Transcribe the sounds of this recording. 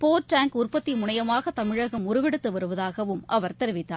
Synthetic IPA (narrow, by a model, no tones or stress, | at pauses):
poːʈːaːŋkʊrpɐt̪ːimʊɳɐjɐmaːɣɐt̪ːɐmɪɻɐɣɐmʊɾɯʋɛɽɯt̪ːɯʋɐɾɯʋɐðaːɣɐʋɯmʔɐʋɐɾt̪ɛɾɯʋɪt̪ːaː